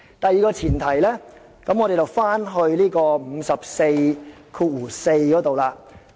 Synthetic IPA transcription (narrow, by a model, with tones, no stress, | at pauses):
t̪ɐ˨jːiː˨kɔː˧t͡sʰiː˨˩nt̪ʰɐ˨˩jlɛː˥ | kɐ˨˥mɔ˨˧ɾe˨˩jt͡sɐ˨˩wfaː˥nɦɵ˧ɥliː˥kɔː˧m̩ː˨˧sɐ˨p̚se˧j | kʰuː˧t̚wuː˨˩se˧jkɔː˨˥t̪o˨wlaː˧